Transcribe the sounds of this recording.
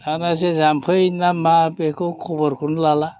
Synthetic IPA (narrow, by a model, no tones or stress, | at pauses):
anas̬ɛzampʰɯjnamːapekukʰɔbɔɾkʰunlala